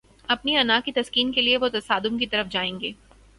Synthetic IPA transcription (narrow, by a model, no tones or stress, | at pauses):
ɐpniɐnaːkit̪ɐskiːnkelieʋot̪ɐsaːd̪ʊmkit̪ɐɾəfd͡ʒaːẽːŋɡeː